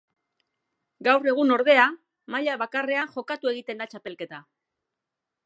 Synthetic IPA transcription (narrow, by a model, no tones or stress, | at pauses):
ɡawre̞ɣ̞uno̞ɾðe̞a | maʎaβakare̞anxo̞kat̪ue̞ɣit̪e̞nd̪at͡ʃape̞lke̞t̪a